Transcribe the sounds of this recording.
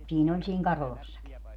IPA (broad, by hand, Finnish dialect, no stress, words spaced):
siːn olʲ siːŋ kɑrolɑsːɑki